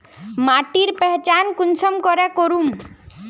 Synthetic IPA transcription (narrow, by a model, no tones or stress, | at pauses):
maʈiɾpɛɦt͡ʃankunsʰɔmkɔɾekɔɾum